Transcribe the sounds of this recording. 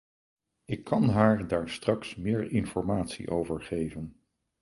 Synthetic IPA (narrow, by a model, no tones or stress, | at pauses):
ɪkʰːɑnɦaːɹdaːɹstrɑksmɪːɹɪnfɔɹmaːtsḭʔowvəɹχejvən